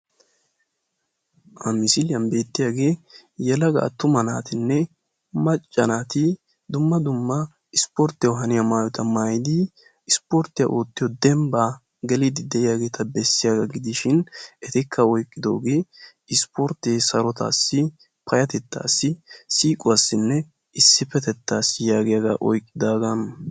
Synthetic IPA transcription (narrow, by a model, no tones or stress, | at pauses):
ʔɐmɪsɪlɪjɐnbe̞ːt̪ːɪjaːɡe̞ːjɛlɐɡa̰ːt̪ʊmɐna̰ːt̪ɪnːɛ | mɐt͡ʃʼːɐnaːt̪ɪ | d̪ʊmːɐd̪ʊmːɐ | ɪspɔɾt̪ːɪjɔɦɐnɪjamaːjɔt̪ʰɐmaːjɪd̪ɪː | spɔɾt̪ːɪjɐ̰ʔo̞ːt̪ːɪjɔd̪ɛmbaː | ɡɛlɪd̪ɪd̪ɛʔɪjaːɡeːt̪ɐbɛsːɪjaɡɐɡɪd̪ɪʃɪnɛt̪ɪkʰːɐɔjkʼːɪd̪o̞̰ːɡeː | ɪspɔɾt̪ːeːsɐɾɔt̪a̰ːsːɪ | pʰɐjɐt̪ɛt̪ːa̰ːsːɪsiːkʼʊwaːsːɪnːɛ | ɪsːɪpɛt̪ɛt̪ːaːsjaːɡɪjaɡa̰ːʔɔjkʼːɪd̪aːɡɐn